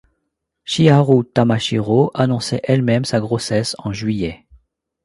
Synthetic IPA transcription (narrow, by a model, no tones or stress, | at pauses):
ʃiaʁut̪amaʃiʁoʔanɔ̃sɛ̰ʔɛlmɛmsaɡʁosɛsɑ̃ʒɥijɛ